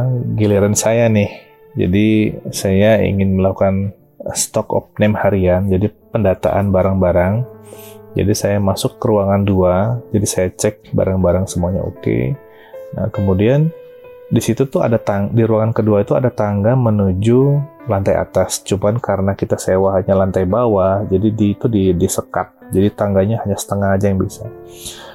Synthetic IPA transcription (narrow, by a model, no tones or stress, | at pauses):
ɡiliɾansajanɪh | d͡ʒa̰disajaḭŋɪnməlakukan | st̪ɔkɔ̰p̚nɛmhaɾiand͡ʒadipəndat̪a̰ʔanbaɾaŋbaɾaŋ | d͡ʒa̰disajamasʊkːəɾuaŋanduad͡ʒadisajat͡ʃɛk̚ba̰ɾaŋbaɾaŋsəmuaɲa̰o̰kḛ | a̰kəmudian | disit̪ut̪uɦa̰dat̪aŋdiɾuwaŋankəduait̪ua̰dat̪aŋɡamənud͡ʒulant̪aja̰t̪ast͡ʃumbankaɾənakit̪asewaɦaɲalant̪ajbawahd͡ʒadidiːt̪udidisəkat̪̚d͡ʒadit̪aŋɡaɲahaɲasə̥t̪əŋahad͡ʒajaŋbisa